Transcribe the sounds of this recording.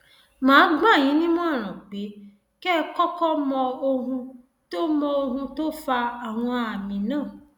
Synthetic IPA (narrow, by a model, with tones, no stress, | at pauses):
mãː˨˦ɡ͡ba˦˨j̃ĩ˨˦nĩ˦m̃˦ɔ̃˦˨ɾ̃ã˨k͡pe˨˦ | kɛ˦kɔ˦kɔ˦mɔ˧o˧ɦũ˧ | to˦mɔ˧o˧ɦũ˧to˦fa˧a˨w̃ɔ̃˧a˨mĩ˨nãː˦˨